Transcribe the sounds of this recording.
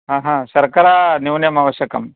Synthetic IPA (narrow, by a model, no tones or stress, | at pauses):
ɦaːɦãːʃɐɾkɐɾaːniwnjɐmaːʋɐʃjɐkɐm